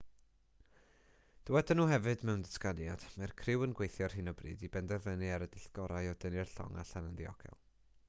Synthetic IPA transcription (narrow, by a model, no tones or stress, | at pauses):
d̥əwɛdɪnuːɦɛvɨdmɛwndəskanjad̥markʰrɪwənɡwejθjɔrhɨnɔbrḭːdibɛndɛrvənɨaɾədɪɬɡ̥ɔɾajɔd̥ənɨrɬɔ̰ŋa̰ɬanəndiɔ̰ɡ̥ɛ̰lˠ